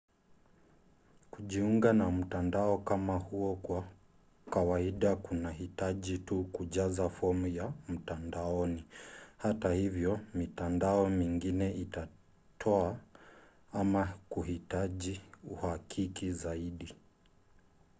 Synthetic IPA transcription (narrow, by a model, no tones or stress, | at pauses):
kuʄiuŋɡanam̩tandaɔkamahuɔkwa | kawaiɗakunahitaʄitukuʄazafɔmujam̩tandaɔnihatahivjɔmitandaɔmiŋɡinɛita | tʰɔa | amakuhitaʄiuhakʰikizaiɗi